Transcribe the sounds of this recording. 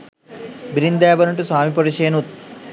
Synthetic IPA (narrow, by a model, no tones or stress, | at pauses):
biɾind̪eːbɐnɐɳʈusaːmipɐɾiʃeːnut̪̚